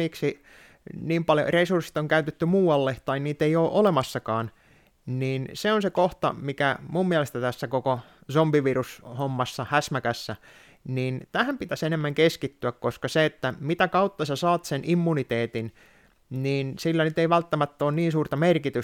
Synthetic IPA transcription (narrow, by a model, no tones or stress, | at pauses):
iksi | niːmpɑljo̰resursi̥t̪oŋkæyt̪et̪ːymuːɑlːeht̪ɑinniːt̪eioːʔolemɑsːɑkɑːn | niːnseonsekoht̪ɑ̰mikæmumːiælest̪æt̪æsːækokosombiʋirushomːɑsːɑhæsmækæsːæ | niːnt̪æhæmpit̪æsenemːæŋkeskit̪ːyækkoskɑseet̪ːæmit̪ækɑut̪ːɑsɑsɑːt̪senʔimːunit̪eːt̪in | niːnsilːænyt̪eiʋælt̪ːæmæt̪ːoːnniːnsuːrt̪ɑmerkit̪y